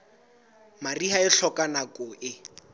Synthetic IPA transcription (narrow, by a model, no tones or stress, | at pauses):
mariɦaɪɬɔkʼanakɔʔɪ